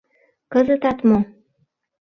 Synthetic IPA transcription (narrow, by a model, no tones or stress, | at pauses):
kəzə̆t̪ɑt̪mo